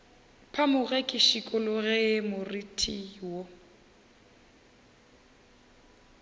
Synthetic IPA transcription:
pʰamʊɣɛkʼɪʃikʼʊlʊɣɛɪmʊritʰʼiwo

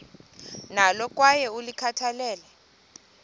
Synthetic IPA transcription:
nalɔk̬ʼwajɛulikʰatʰalɛːlɛ

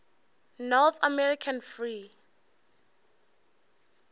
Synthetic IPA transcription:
nɔθa̰mɛɹikʰãnfɹi

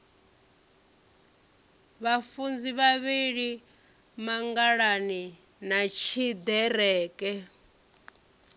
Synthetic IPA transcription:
βafund͡ziβaβiɺi | maŋɡaɺani | nat͡ʃʰid̪ɛɾɛːkɛ

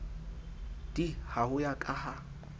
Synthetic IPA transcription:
d̥ihahʊjakʼaha

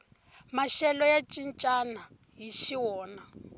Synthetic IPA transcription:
maʃɛlɔjat͡ʃʼint͡ʃʼana | jiʃiwɔːna

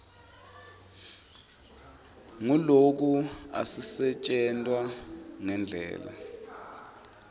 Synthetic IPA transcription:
ŋulok̬ua̰sisɛt͡ʃʼɛntʼwaŋɛnd͡ɮʱɛ̰ːla̰

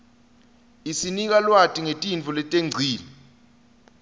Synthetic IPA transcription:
isinik̬alwatʼiŋetʼint͡fɔlɛtʼeŋ͡ǀʱiːli

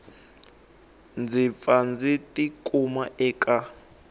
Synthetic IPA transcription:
nd͡zip̪fand͡zitʼikʼumaʔɛːkʼa

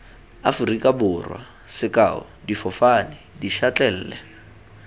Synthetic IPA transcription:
a̰furikʼabʊrwa̰ | sɪkʼa̰ʊ̰ | difɔfanɪ | diʃat͡ɬʼɛl̩ːlɛ

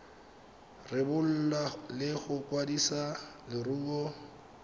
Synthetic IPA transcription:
rɪbʊl̩lalɪɣʊkwadisalɪruːkɔ

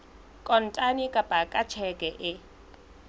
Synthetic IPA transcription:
kʼɔn̩tʼanikʼapʼakʼat͡ʃʰɛkʼɛʔɪ

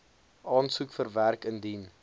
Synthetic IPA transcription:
ʔɑːnsukfərværkəndin

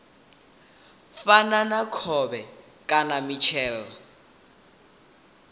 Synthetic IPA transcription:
fananakʰɔbɛ | kʼanamit͡ʃʰɛːlɔ

